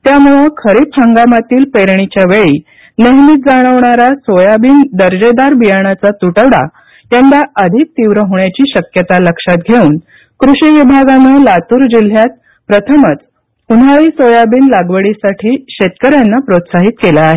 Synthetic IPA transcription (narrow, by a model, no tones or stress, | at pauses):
t̪jamuɭekʰəɾit̪ʰəŋɡamat̪iːlpeɾɳit͡ɕjaʋeɭiː | neɦmiːt̪̚d͡zaɽ̃əʋɳaɾasojabiːnd̪əɾd͡ʑed̪aɾbijaɳ̃at͡sat̪uʈəʋɽa̰ | jand̪aəd̪ʱik̚t̪iʋɾəɦoɳjat͡ɕiːɕəkjət̪aləkʂat̪̚ɡʱeuːn | kɾuɕiʋibʱaɡanəlat̪uːɾd͡ʑil̤jat̪̚ | pɾət̪ʰəmət͡s | un̤aɭiːsojabiːnlaɡʋəɭisaʈʰiːɕet̪kəɾjanːapɾot̪saɦit̪kelaːɦe